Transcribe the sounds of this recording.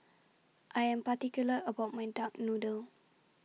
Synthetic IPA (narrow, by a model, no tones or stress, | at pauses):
ʔajɛ̃mpatikjuləʔəbawt̚mãjdak̚nudəl